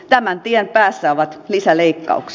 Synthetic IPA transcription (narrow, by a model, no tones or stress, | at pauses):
t̪æmænt̪iɛnpæːsːæoʋɑt̪lisæleikːɑ̰uks